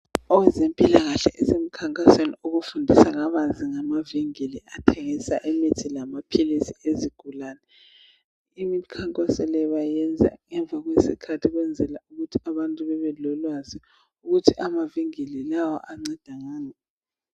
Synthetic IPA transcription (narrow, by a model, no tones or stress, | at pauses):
ɔwɛzempʼilaɣaɬɛʔɛsem̩kʰaŋkʼasweniuɣufundʱisaŋaβaziŋamaviŋiliʔatʰɛŋisaʔɛmitʰilamapʰilisieziɡ̥ʱulaːnɛ | imikʰaŋkʼɔsɔlɛβajɛnd͡zʱa̰ŋɛɱb̪vʱaɣwesḭkʰatʰiɣwɛnd͡zʱɛlauɣutʰi̥aβantʼuβɛβɛlɔlwazi | uɣutʰiʔamaviŋililawɔ̰ʔaŋ͡ǀɛd̥ʱaŋaːnɛ